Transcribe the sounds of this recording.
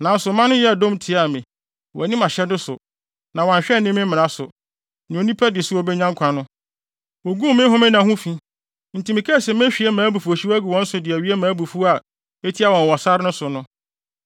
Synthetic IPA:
nã˨˦n̩˦sʊ˨mã˦nʊ̃˦jɛ˦˨dõ˦m˦tʰɪ˨a˨mẽ˨ | wɔ˨nĩ˦mã˨ɕɛ˦dʊ˦sʊ̰˨ | nã˨wɔ̃˨ɲ˨ɕᶣɛ˦˨nɪ̃˦mɪ̃˦m˦mɪ̃˨ã˦sʊ̰˨ | nɪ̃˨o˨nĩ˦pʰɛ˦dɪ˨ɛ˨sʊ˦ɔ˦˨bɛ˦ɲã˦ŋkʷʰã˨nʊ̃˦ | wo˨ɡũ˦mɪ̃˦ɦʊ̃˦mɪ̃˦nã˨hʊ̃˦fĩ˦ | n̩˨tʰĩ˨mɪ̃˨kʰɛ˦˨sɛ̃˨mɛ̃˦ɕᶣi˨ɛ˦mãː˨˦bu˨fu˨o˨ɕi˦wæ˦ɡu˨wɔ̃˦n̩˦sʊ˨dɪ˨æ˨ɥi˦e˦mãː˨˦bu˨fu˦a˨ | e˦tʰi˦a˦˨wɔ̃˨n˨wɔ˨sa˦ɾɪ˦nʊ̃˦sʊ˨nʊ̃˦

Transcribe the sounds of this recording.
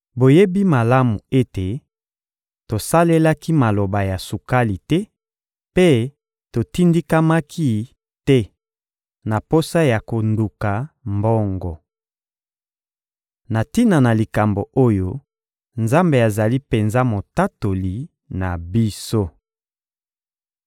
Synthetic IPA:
bo˨je˦bi˦ma˨la˦mu˨e˦te˨ | to˨sa˦le˦la˦ki˦ma˨lo˨ba˨ja˨su˨ka˦li˨tɛ˦ | pe˦ | to˨ti˦ndi˦ka˦ma˦kʰi˦ | tɛ˦ | na˨po˦sa˦ja˨ko˨ndu˨ka˨mbɔ˦ŋɡɔ˨ | na˨ti˦na˨na˨li˨ka˨mbo˨o˦jo˦ | nza˦mbe˨a˨za˨li˦pe˨nza˦mo˨ta˦to˨li˨ | na˨bi˦so˦

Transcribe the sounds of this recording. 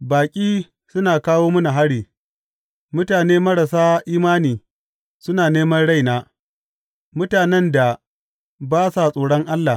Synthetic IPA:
baː˨kʲʼiː˦ | sʊ˦naː˨kaː˦woː˦mʊ˦na˨ɦa˦ɽiː˨ | mʊ˦taː˨neː˦mɐ˦ɽa˨saː˦ʔiː˦maː˦niː˨ | sʊ˦naː˨neː˦mɐ˦nɽa˦˨jnaː˦ | mʊ˦taː˨nɛ˦nda˨ | baː˦sa˨sʼoː˨ɽɔ˦ŋʔa˦lːa˨

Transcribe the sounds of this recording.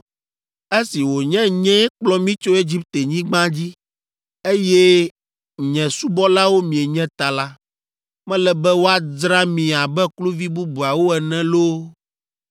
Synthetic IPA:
e˦si˨wo˨ɲɛ̃˦ɲɛ̃˦k͡plɔ˦mĩ˦t͡ʃo˦e˦d͡ʑi˦p̚t̪e˨ɲĩ˦ɡ͡bã˦d͡ʑi˦ | e˦jɛ˦ | ɲɛ̃˨su˦bɔ˦la˦wo˦mĩ˨e˨ɲɛ̃˦t̪a˨la˦ | mɛ̃˦lɛ˦bɛ˦wo˦a˦dɾa˦mĩ˨a˨bɛ˦klu˦vi˦bu˦bu˨a˨wo˦ɛ˨nɛ̃˦lo˦

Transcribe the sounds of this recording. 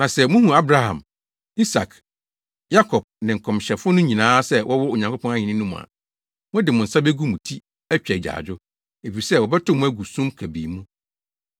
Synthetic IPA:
nã˨sɛ˦mʊ̃˦hũ˨a˦bɾa˦hã̰˨m | i˦sa˨kʰ | ja˦kʰɔ˨b̚nɪ̃˨ŋ̩˨kʰɔ̃˨mɕɛ˨fʊ˦nʊ̃˦ɲĩ˨nãː˦sɛ˦wʔɔ˦wɔ˦o˨ɲã˨ŋko˦pʰɔ̃˦na˦ɲɪ̃˨nɪ̃˦nũ˦m̃˨a̰˨ | mʊ̃˦dɪ˨mʊ̃˨n̩˨sa˦be˦ɡu˦mũ˨tʰi˦ | æ˦t͡ɕᶣɛ˨d͡ʑa̰ː˨d͡ʑᶣʊ˦ | e˨fi˨i˨sɛ˦˨wɔ˨bɛ˦tʊ˦˨mũ˦æ˦ɡu˨sũ˦mkʰæ˨bḭː˨mũ˦

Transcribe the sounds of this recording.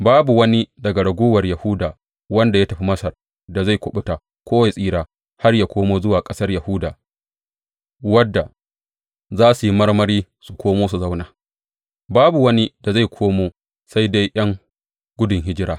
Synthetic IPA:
baː˦bu˨wɐ˦ni˦dɐ˨ɡa˨ɽɐ˨ɡʷoː˦wɐ˨rjɐ˨hʊ˦daː˨ | wɐ˦nda˨ja˦tɐ˨ɸi˦mɐ˦sɐ˨r | da˨za˦˨kʷʊ˨ɓʊ˦taː˨ | kʷoː˦wa˨sʼiː˦ɾaː˨ | ha˦rjaː˨kʷoː˦moː˦zʊ˦waː˨kʼɐ˦sɐ˦rjɐ˨hʊ˦daː˨ | wɐ˦dːa˨ | zaː˦su˨ji˦mɐ˦rmɐ˦ɾiː˦ | su˨kʷʰoː˦moː˦su˨za˦wnaː˨ | baː˦bu˨wɐ˦ni˦da˨za˦˨jkʷʰoː˦moː˦ | sa˦jda˦jʔɐ˦ŋ | ɡʷʊ˦dʊ˨ŋɦɪ˦d͡ʒɪ˦ɽaː˦

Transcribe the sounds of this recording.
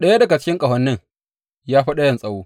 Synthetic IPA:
ɗɐ˦ja˦dɐ˨ɡa˨t͡ʃɪ˦kʲɪ˦ŋkʼɐ˨ɦɔ˨nːɪ˦ŋ | jaː˦ɸi˦ɗa˦jɐ˦˨nsʼɐ˦woː˦

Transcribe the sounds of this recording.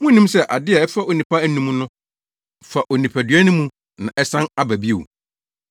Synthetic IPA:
mʊ̃˦nĩ˦msɛ˦ʔa˨dɪ˦ɛ˨ɛ˦fa˦o˨nĩ˨pʰa˦æ˦nũ˦m˦nʊ̃˦ | fa˨ʔo˨nĩ˨pʰæ˨dɥæ˦nʊ̃˦mũ˦ | nã̰˨ʔɛ˦sã˦na˦bæ˨bi˦e˨wṵ˨

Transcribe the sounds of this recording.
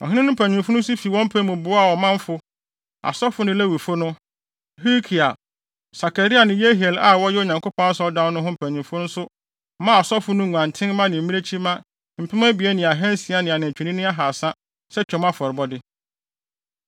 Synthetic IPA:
ɔ̰̃˨ɦɪ̃˦nɪ̃˦nʊ̃˦m̩˦pʰæ̃˨ɲᶣ˨ɪ̃˨m˨fʊ˦nʊ̃˦sʊ˦fi˨wɔ̃˦m̩˦pʰɛ˦mʊ̃˨bʊ˨˦a˦˨wɔ˨mã˦m˦fʊ˦ | a̰˨sɔ˦fʊ˦nʊ̃˦lɛ˦wi˨fʊ˦nʊ̃˦ | ɦi˦kʰi˨a˨ | sa˨ka˨ɾi˦a˨nɪ̃˨˦je˦ɦi˨e˨la˨wɔ˦jɛ˦o˦˨ɲã˨ŋkʰʊ˦pʰɔ̃˦a˦sɔ˦dã˦n˦nʊ̃˦ɦʊ̃˦m̩˨pʰæ̃˨ɲ˨ĩ˨mfʊ̃˦nʊ̃˦sʊ˦ | mã˦a˨sɔ˦fʊ˦nʊ̃˦˨ŋʷ˨ã˨n˨tʰɪ̃˦n˦mã˦nɪ̃˨m˨˦ĩ˦e˦t͡ɕʰi˦mã˦ | m̩˨pʰɪ˦mã˦bi˨e˦nɪ̃˨a˨ɦɛ̃˦n˦si˨˦a˦nɪ̃˨a˨nã˨t͡ɕᶣi˨nĩ˦nɪ̃˦a˦ɦa˨sã˦ | sɛ˦t͡ɕᶣɔ̃˨˦m˦a˦fɔ˨ɾɪ˨bɔ˦dɪ˦

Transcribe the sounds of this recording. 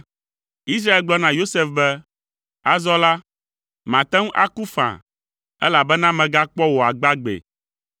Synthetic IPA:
i˦s̬ɾa˦e˨lɡ͡blɔ˦nã˨jo˦se˦fbɛ˦ | a˦zɔ˦la˦ | mã˨t̪ɛ̃˦ŋũ˦ʔa̰˦ku˦fã̰˨ | ɛ̰˦la˨bɛ˦nã˦mɛ̃˨ɡa˦k͡pɔ˦wo˨a˨ɡ͡ba˦ɡ͡bḛ˨

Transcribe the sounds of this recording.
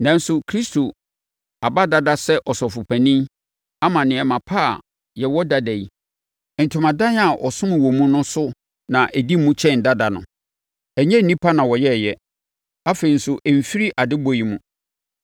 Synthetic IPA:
nã˨n̩˦sʊ˨kʰɾi˦stʰo˨ | a˨ba˦da˦da˦sɛ˦ʔɔ˨sɔ˨fʊ˨pʰæ̃˨nĩ˦ | a˦mã˨nɪ̃˨ɛ˨mã˨pʰa˦˨ | jɛ˨wɔ˦da˦dæ˨i˦˨ | n̩˨tʰʊ̃˨mã˨dã˦n˦a˨ʔɔ˨sʊ̃˦m̃˨wɔ˨mũ˦nʊ̃˦sʊ˦ | nã˨ʔæ˨di˦mːũ˦t͡ɕʰɛ̃˦˨n˨da˦da˨nʊ̰̃˨ | ɛ˨ɲɛ̃˦n̩˨nĩ˦pʰa˦nã˨wɔ˨jɛ˦˨jɛ˦ | a˦fe˨i˨n̩˦sʊ˨ʔɛ˨m̩˨fi˦ɾi˦ʔa˨dɪ˦bo˨ji˨mũ˦

